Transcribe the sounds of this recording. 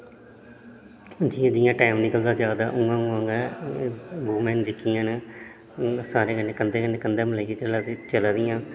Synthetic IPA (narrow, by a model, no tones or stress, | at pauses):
d͡ʒiːãːd͡ʒɪjãːʈaːmniːkəld̪aːd͡ʒjaːd̪aːʔʊ̃ːãːũːãːŋɡɛː | ɡuːmɛːnd͡ʒɪkːijãːn | saːɾeːkənːẽːkənd̪eːkənːẽːkənd̪eːmləiket͡ʃəlaːt̪et͡ʃəlaːd̪ɪjãː